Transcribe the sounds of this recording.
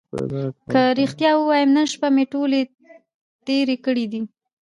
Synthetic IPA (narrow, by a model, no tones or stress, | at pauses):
kəɾixt̪jɑwəwɑjəmnənʃpameʈole | t̪eɾekəɽid̪i